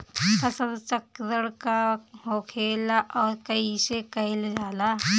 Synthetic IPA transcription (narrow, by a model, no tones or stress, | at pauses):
pʰɐsəd̪t͡ʃəkd̪əɽkaɦoːkʰeːlaʔɔːɾkɐisekɐɪld͡ʒaːla